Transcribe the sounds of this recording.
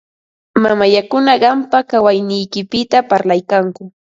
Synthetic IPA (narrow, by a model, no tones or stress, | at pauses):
mamajakʊnaɢɑmpakawajnɪjkɪpɪt̪apaɾlajkaŋkʊ